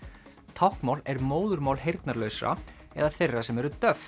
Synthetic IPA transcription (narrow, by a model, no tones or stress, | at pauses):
t̪ʰawhkmawlɛɾmoːwðʏɾmaːwlɦejɾt̪naɾlœɥsɾa̰ɛ̰ðaθejrːasɛmɛɾʏt̪œf